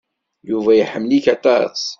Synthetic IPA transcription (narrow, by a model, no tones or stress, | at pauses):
juvæjəħəmːliçɑt̪ˤɑsˤ